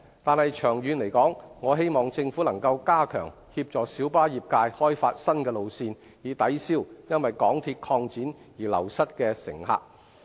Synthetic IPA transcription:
t̪aː˨nhɐ˨jt͡ʃʰœː˨˩ŋjyː˨˧nle˨˩jkɔː˨˥ŋŋɔː˨˧ɦe˥jmɔː˨˩ŋt͡sɪ˧ŋfuː˨˥lɐ˨˩ŋkɐ˧wkaː˥kʰœ̰ː˨˩ŋ | hiː˧p̚t͡ʃɔː˨ksiː˨˥wpaː˥jiː˨p̚kaː˧jhɔː˥jfaː˧t̚sɐ˥nkɛː˧lo˨˧wsiː˧n | jiː˨˧t̪ɐ˨˥jsiː˥˩wjɐ˥nwɐ˨jkɔː˨˥ŋt̪ʰiː˧t̚kʰɔː˧ŋt͡siː˨˥njiː˨˩lɐ̰˨˩wsɐ˥t̚kɛː˧sɪ̰˨˩ŋɦa̰ː˨k̚

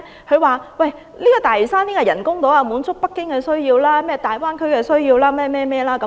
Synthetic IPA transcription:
hʰɵ˨˧ɥwaː˨˩wɐ˨˩j | liː˥kɔː˧t̪aː˨˩jsaː˥niː˥kɔː˧jɐ˨˩nkʊ˥ŋt̪o˨˥wɐː˧muː˨˧˥nt͡sʰʊ˥k̚pɐ˥kːɪ˥ŋkɛː˧sɵ˥ɥjiː˧wlaː˥mɛː˥t̪aː˨jwaː˥nkʰɵ˥kɛː˧sɵ˥ɥjiː˧wlaː˥mɛː˥˧mɛː˥mɛː˥˧laː˥kɐ˧˦

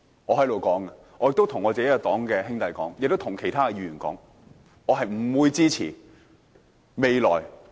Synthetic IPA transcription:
ɔː˨˧hɐ˨˥jlo˨wkɔː˨˥ŋɐ˧ | ɔː˨˧jɪ˨k̚t̪o˥wt̪ʰʊ˨˩ŋɔː˨˧t͡seː˨˥jɐ˥˩t̪ɔː˨˥ŋkɛː˧hɪ˥ŋt̪ɐ˨jkɔ̰ː˨˥ŋjɪ˨k̚t̪t̪ʰʊ˨˩ŋkʰe˨˩jt̪ʰaː˥kɛ˧jyː˨˧˩y˨nkɔ̰ː˨˥ŋ | ɔː˨˧ɦɐ˨jm̩˨˩wuː˨˧jt͡siː˥t͡sʰḭː˨˩ | me˨˧jlɔː˨˩j

